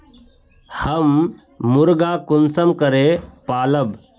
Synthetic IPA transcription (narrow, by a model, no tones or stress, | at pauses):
həmː | ʊɾɡaːkʊnsəmkəɾepaːləb